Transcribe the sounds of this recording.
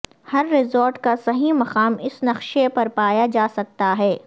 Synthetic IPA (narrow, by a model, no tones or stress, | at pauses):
hɐɾːɪzoːɾʈkasɐɦimɐqaːmɪsnɐqʃepɐɾpaːjad͡ʒaːsɐk̚t̪aɦɛː